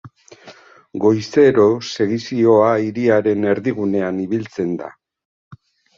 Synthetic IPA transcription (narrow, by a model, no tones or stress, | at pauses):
ɡo̞jse̞ɾo̞se̞ɣisio̞aiɾiaɾe̞ne̞ɾðiɣ̞une̞aniβilt͡se̞nd̪a̰